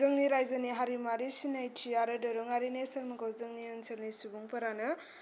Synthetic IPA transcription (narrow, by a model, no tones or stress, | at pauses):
ɯŋniɾajzaniɦaɾimaɾisinajtʰiaɾɯdɐɾɔŋaɾinesɐɾmɐɡawzɯŋniɯnt͡ʃʰɐlnisubuŋpʰɐɾanɯ